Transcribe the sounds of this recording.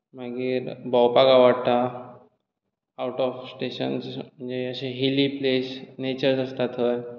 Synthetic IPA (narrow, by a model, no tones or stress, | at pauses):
m̤aɡiːɾbɔwpakaʋaɽt̪a | awʈɔfsʈeɕə̰nsm̤əɳd͡ʑeəɕeɦiliplesnet͡ɕəɾd͡zəst̪at̪ʰəj